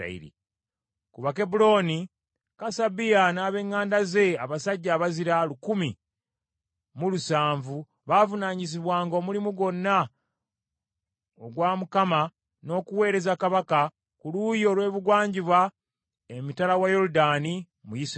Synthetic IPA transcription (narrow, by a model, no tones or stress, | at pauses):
ḭɾḭ | kuβake̞bulo̞ni | kasabijanaːβe̞ːŋːaːndaze̞aβasaɟːaːβaziɾalukumi | mulusaːɱvu | βavunaːɲis̬iβwaːŋɡoːmulimuɡo̞nːa | oɡwaːmukama | no̞ːkuwe̞ːɾe̞zakaβaka | kulujo̞ːlwe̞ːβuɡwaːɲɟiβwa | emitalawajo̞ɾudaːni | mujis